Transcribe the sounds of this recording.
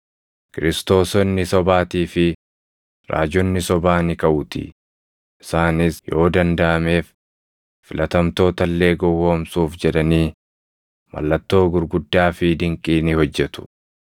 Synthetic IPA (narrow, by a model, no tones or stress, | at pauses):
kɪɾɪst̪o̞ːsɔnːɪsɔbaːt̪iːfɪ | ɾa̰ːd͡ʒɔnːɪsɔbaːnɪkɐʔʊt̪ɪ̰ | ʔɪsaːnɪsjo̞ːd̪ɐnd̪ɐʔɐme̞ːf | fɪlʔɐt̪ɐmt̪o̞ːt̪ɐlːe̞ːɡɔwo̞ːmsuːfd͡ʒɛᶑ̪ɐniː | mɐ̰lːɐt̪ːo̞ːɡʊɾɡʊd̪ːaːfɪd̪ɪŋkʼiːnɪhɔd͡ʒːɛt̪ʊ̥